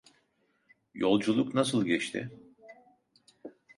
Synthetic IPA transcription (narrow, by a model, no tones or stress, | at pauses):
jo̞lˠd͡ʒulˠuknasɯlˠɟɛt͡ʃt̪ʰɪ̰